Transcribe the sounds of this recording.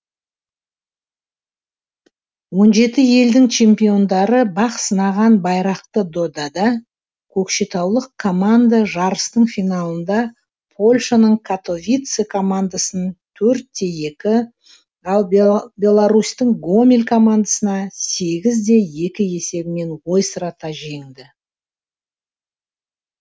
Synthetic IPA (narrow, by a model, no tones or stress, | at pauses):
wo̞nʒe̞t̪ɪje̞ld̪ɪŋt͡ʃʰe̞mpʲijo̞nd̪ɑɾəbɑqsənɑʁɑnbɑjɾɑqt̪əd̪o̞d̪ɑd̪ɑ | kʲʰɵkʃet̪ʰɑwlˠəqkʰːo̞mand̪aʒɑɾəst̪əɴfijnalˠənd̪ɑ | pʰo̞lʲʃanəɴkʰat̪o̞vʲijt̪sekʰomand̪asənt̪ʰɵɾt̪̚d̪e̞je̞kʲɪ | ɑlˠbbʲe̞lˠaɾust̪əŋɡo̞mʲelʲkʰomand̪asənɑse̞ɡʲɪzd̪e̞je̞kʲɪje̞se̞bɪme̞nwo̞jsəɾɑt̪ɑʒeŋd̪ɪ